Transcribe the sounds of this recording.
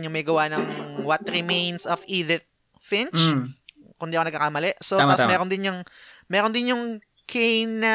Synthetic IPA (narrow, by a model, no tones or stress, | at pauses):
ɲʊŋmɐjɡɐwanɐŋwɐt̪̚ɾɪmejnsɐfʔiːd̪ɪt̪̚ | fɪnt͡ʃ | kʊnd̪iɐkonɐɡ̚kːakamɐlɛʔsot̪apmɛːɾond̪ɪnjʊŋmɛːɾond̪ɪnjʊŋ | kʰɛjnɐ